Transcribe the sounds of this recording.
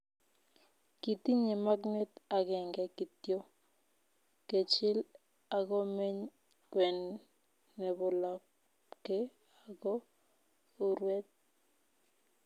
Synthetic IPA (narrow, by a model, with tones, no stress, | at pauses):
ki˨t̪i˦ɲe˨ma˦knɛ˦ta˨kɛ˨ŋɡɛ˨ki˨tjo˦ | ke˨t͡ʃɪ˦l | a˨kɔ˦me˦ɲ | kwɛ˨nː | ɛ˨bɔ˨la˨ | ke˦ | a˨ɡɔ˦ | o˦ɾwɛ˦t̪̚